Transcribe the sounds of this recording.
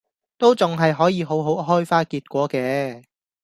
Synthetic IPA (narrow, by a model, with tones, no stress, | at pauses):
t̪o˥wt͡sʊ˨ŋɦɐ˨jɦɔː˨˥jiː˨˧ɦo˨˥wɦo˨˥wɦɔː˥jfaː˥kiː˧t̚kʷɔː˨˥kɛː˧